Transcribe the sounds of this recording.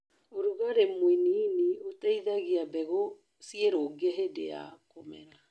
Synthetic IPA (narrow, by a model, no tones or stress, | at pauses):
oɾuɣaɾemwininiotɛiðaɣiabɛɣo | sieɾoɡeɦedḛa̰komɛ̰na